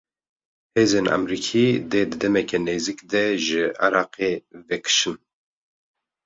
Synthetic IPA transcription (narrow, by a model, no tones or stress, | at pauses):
heːzeːnʔa̰mɾiːkʰiːd̪eːd̪ɨd̪ɛmɛkɛneːzikd̪ɛʒɨa̰ɾɑːqeːvɛkʰɨ̥ʃɨn